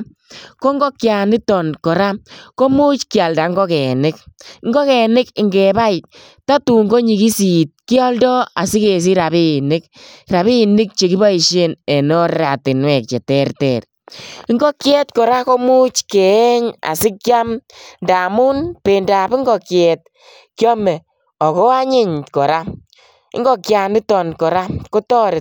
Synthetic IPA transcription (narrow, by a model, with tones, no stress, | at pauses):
ko˦ŋɡɔ˦kja˨nɪ˦tɔ˨nkɔ˨ɾa˦ko˦mu˦t͡ʃkja˨lda˨ŋɡɔ˦kɛ˨nɪ˦k̚ŋɡɔ˦kɛ˨nɪ˦kɪ˨ŋɡɛ˨ba˦j | ta˦tu˨ŋɡo˦ɲi˨ki˦si˨t̚ki˦ɔ˦ldɔ˦a˨sɪ˦ke˨s̬i˦ɾa˨βi˦nɪ˦kɾa˨βi˦nɪ˦k̚t͡ʃe˨ki˦ba˦i˨ʃe˦ne˨nɔ˦rɾa˨tɪ˨nwɛ˨k̚t͡ʃe˨tɛ˦rtɛ˨r | ɪ˦ŋɡo˦kjɛ˦tkɔ˨ɾa˦ko˦mu˦t͡ʃke˨˦ɲa̰˨sɪ˦kja˦mnda˨mu˦npe˨nda˨bi˦ŋɡɔ˨kjɛ˨t̚ | kjɔ˦mɛ˨ | ɔ˨kɔ˦a˦ɲɪ˦ɲkɔ˨ɾa˦ | ɪ̰˦ŋɡo˦kja˨nɪ˦tɔ˨nkɔ˨ɾa˦ko˦tɔ˦ɾɪ˨t̚